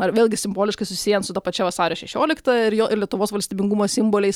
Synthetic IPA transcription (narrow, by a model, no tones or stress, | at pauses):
ɐɾʋʲeːlʲɡʲɪsʲɪmboːlʲɪʃkɐɪsʊsʲɪ̥sʲiːjɛnsʊt̪ɐpɐt͡ʃʲɛʋɐsɑːɾʲoːʃʲɛʃʲoːlʲɪkt̪ɐɪɾjoːʔɪɾlʲiɛt̪ʊʋoːsʋɐlʲsʲt̪ʲiːbʲɪŋɡumoːsʲɪmboːlʲɛɪs